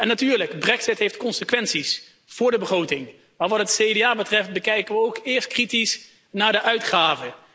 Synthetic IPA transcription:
ɛnatyːɹləkbrɛksɪtɦejftkɔnsəkʋɛnsis | fʊːɹdəbəχrowtɪŋ | maːɹʋɑtɦətsejdeaːbətrɛft̚bəkɛjkəʋəowkɪːɹst̚kritis | naːɹdəʔœɥtχaːvə

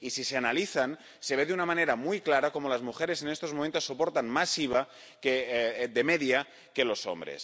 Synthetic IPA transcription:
isiseanaliθan | se̞βeðunamaneɾamujklaɾako̞molazmuxeɾesenest̪ozmomẽnt̪osːopo̞ɾt̪anmasiβa | ked̪emeðja | kelo̞so̰mbɾḛs

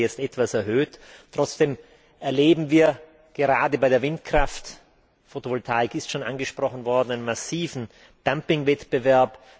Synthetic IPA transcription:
jɛt͡stɛtv̥asɛɐɦøːttːʁ̥ɔt͡sd̥eːm | ʔɛɐleːbm̩viːɐ | ɡ̥əʁaːdəbaɪɾeːɐvɪntkʁ̥aft | fotovɔltʰaɪkɪstʃoːnʔa̰nɡəʃpʁ̥ɔχn̩vɔɐdn̩aɪnənmasiːvn̩ | d̥ampɪŋvɛtb̥əvɛɐp

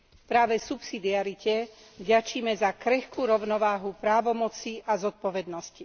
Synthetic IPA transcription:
pɾaːʋɛsupsid̪iaɾicɛ | vɟat͡ʃiːmɛzakɾɛxkuːɾɔʊnɔʋaːɦupɾaːʋɔmɔt͡siʔazɔt̪̚pɔʋɛd̪nɔsci

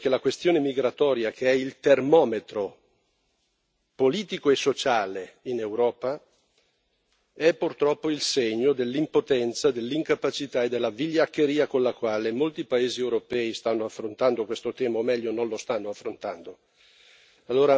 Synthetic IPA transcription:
k̟elakwest̪joːnemiɡɾat̪ɔːɾjakʰeɛilt̪ermɔːmet̪ɾo | poliːt̪ikoesːot͡ʃaːleinewɾɔːpa | ɛpːurt̪ɾɔpːoilseɲːod̪elːimpot̪ɛnt̪sad̪elːiŋkapat͡ʃit̪aed̪ːelːaviʎːakːeɾiːakonlakwaːlemolt̪ipaeːziewɾopɛist̪anːoafːɾont̪and̪okwest̪ot̪ɛːmaomɛʎːononlost̪anːoafːɾont̪and̪o | alːoːɾa

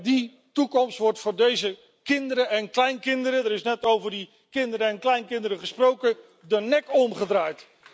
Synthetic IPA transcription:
di | tukɔmstʋɔɹtfʊːɹdejzə | kɪndəɾəɛnklɛjnkɪndəɾədəɾɪsnɛtowvəɹdi | kɪndəɾəɛnklɛjnkɪndəɾəχəsprowkə | dənɛkɔmχədraːjt

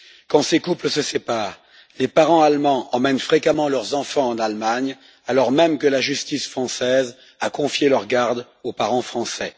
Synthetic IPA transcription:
kɑ̃sekupləsəsepaːʁ | lepaʁɑ̃almɑ̃ʔɑ̃mɛnfχekamɑ̃lœʁzɑ̃fɑ̃ɑ̃nalmaɲ | alɔʁmɛmkəlaʒyst̪isfχɑ̃sɛz | akɔ̃fjelœʁɡaʁd̪ | opaʁɑ̃fχɑ̃sɛ

